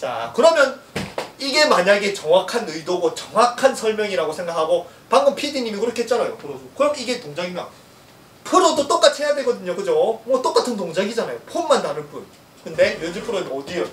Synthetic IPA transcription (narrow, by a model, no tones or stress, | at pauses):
t͡ɕa̰kɯɾʌmjʌniɡe̞maɲaɡe̞t͡ɕʌŋwakʰanɯidoɡʌt͡ɕʌŋwakʰansʰʌɭmjʌŋiɾaɡosʰe̞ŋɡakʰaɡo | paŋɡɯmpʰidiɲimikɯɾʌkʰeɦet͡ɕ͈anajopʰɯɾodokɯɾʌmiɡe̞toŋd͡ʑaɡimjʌ | pʰɯɾodot͈ok͈at͡ɕʰiɦejadweɡʌdɯɲokɯd͡ʑomwʌt͈ok͈atʰɯntoŋd͡ʑaɡid͡ʑanajopʰomːantanɯnp͈un | kɯnde̞mjʌnd͡ʑuɭpʰɯɾoʌdio